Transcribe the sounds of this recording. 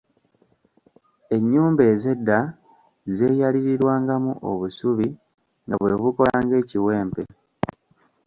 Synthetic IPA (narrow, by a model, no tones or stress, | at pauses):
e̞ɲːuːmbe̞ːze̞dːa | ze̞ːjaliɾiɾwaːŋɡamṵʔo̰βusuβi | ŋɡa̰βwe̞̰βuko̞laːŋɡe̞ːciwe̞ːmpe